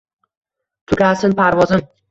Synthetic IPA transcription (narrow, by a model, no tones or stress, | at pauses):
t̪ʰʊɡʲasɪnpʰaɾvɒzɪm